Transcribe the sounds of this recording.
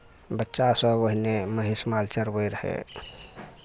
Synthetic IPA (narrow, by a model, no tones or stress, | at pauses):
bətːʃasəoɦineməɦismalt͡ʃəɾbəiɾəhḛ